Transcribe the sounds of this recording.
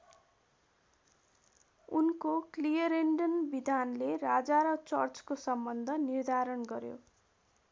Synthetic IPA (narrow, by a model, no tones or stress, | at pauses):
unkoklijʌɾeɳɖʌnbid̪ʱanlerad͡zaɾʌt͡sʌrt͡skosʌmbʌnd̪ʱʌnird̪ʱaɾʌnɡʌɾjo̰